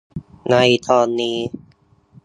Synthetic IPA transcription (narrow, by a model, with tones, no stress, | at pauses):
na˧jt̪ʰɔː˧nːiː˧